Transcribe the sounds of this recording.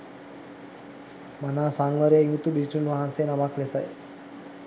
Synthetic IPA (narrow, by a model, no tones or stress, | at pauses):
manaːsaŋʋəɾjaiŋut̪ubiʈunʋaɦansenaʋaklesaj